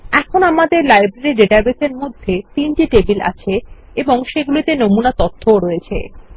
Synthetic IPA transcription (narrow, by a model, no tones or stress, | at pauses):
ɛkʰonamad̪eɾlajbɾeɾiɖeʈabeseɾmod̪ʱːet̪inʈiʈebila̰t͡ɕʰe | eboŋʃeɡulit̪enomunat̪ot̪ʰːoɾɔet͡ɕʰḛ